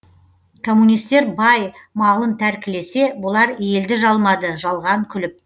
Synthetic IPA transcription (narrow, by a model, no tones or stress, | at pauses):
kʰo̞mːunijst̪e̞ɾbɑjmɑlˠənt̪ʰæɾkʲɪle̞se̞bʊlˠɑɾje̞ld̪ɪʒɑlˠmɑd̪əʒɑlˠʁɑŋkʲʰʏlɪp̚